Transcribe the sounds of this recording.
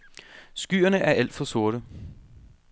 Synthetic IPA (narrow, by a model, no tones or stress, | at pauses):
sɡ̥y̰ːɐnəʔæɐæl̰d̥fɒ̽so̝ɐɾ̥ə